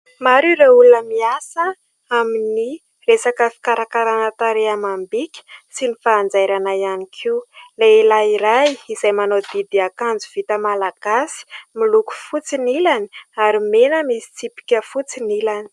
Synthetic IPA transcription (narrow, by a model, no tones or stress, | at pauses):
maɾuɾeulunəmiasə | amini | resakəfi̥kaɾakaɾanat̪aɾeamambikʲi̥sinifaːnd͡zajɾanajanikʰiuleilaiɾajiz̥ajmanod̪id̪iakand͡zuv̥it̪əmalaɡ̥asi̥miluku̥fut͡sinilani̥aɾimenəmisi̥t͡sipi̥kʲəfut͡sinilani̥